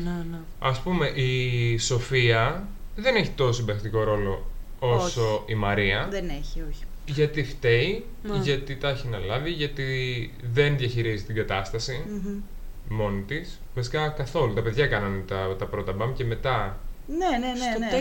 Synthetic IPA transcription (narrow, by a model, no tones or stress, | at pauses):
n | ɐspume̞ʔiso̞fiɐðe̞neçi̥t̪o̞sosb̪ɐkt̪iko̞ɾo̞lo̞ | oso̞imɐɾiɐðeneçioçi̥ʝɐt̪ift̪e̞i | ʝɐt̪it̪ɐçinɐlɐviʝɐt̪i | ðe̞nðʝɐçiɾizit̪iŋɡɐt̪ɐst̪ɐsi | mo̞nit̪is | vɐsi̥kɐkɐθo̞lut̪ɐpe̞ðʝɐkɐnɐnt̪ɐt̪ɐpɾo̞t̪ɐbɐmce̞me̞t̪ɐnenene